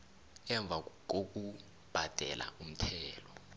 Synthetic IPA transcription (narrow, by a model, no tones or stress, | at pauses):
ɛɱb̪vʱa | ok̬u | b̥ʱad̥ʱɛ̰lʔa̰um̩tʰɛːlɔ